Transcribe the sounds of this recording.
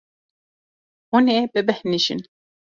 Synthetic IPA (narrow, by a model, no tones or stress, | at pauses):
hunebɨbɛhniʃḭn